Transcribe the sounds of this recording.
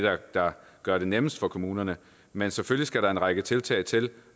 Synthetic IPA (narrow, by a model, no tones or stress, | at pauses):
ɑd̥ɑ̈ | ɡ̥ɶɐɾ̥e̝neməsd̥fɒ̽kʰo̝muːnɐnə | menseføljisɡ̥æɾɑ̈e̝nʁɑ̈ɡ̥ət͡sʰe̝lt͡sʰɛ̰ːɪt͡sʰe̝l